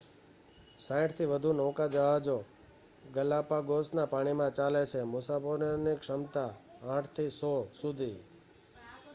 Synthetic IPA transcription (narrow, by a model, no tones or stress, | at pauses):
sãɪ̃ʈt̪ʰiʋəd̪ʱunɔ̃wkad͡ʒəɦad͡ʒo | ɡəlapaɡosnapaɽ̃imãt͡ʃalet͡ʃʰemusafoɾonikʃəmt̪aãʈʰt̪ʰisɔsud̪ʱi